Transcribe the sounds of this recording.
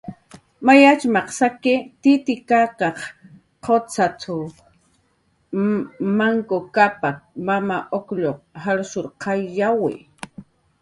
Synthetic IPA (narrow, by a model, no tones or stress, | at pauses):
majat͡ʃmɑqsakɪt̪ɪt̪ɪkakɑχ | qʰot͡sat̪ʰʊ | maŋkokapamamaʔokʎoqhaɾsʊɾqʰɑjːawɪ̰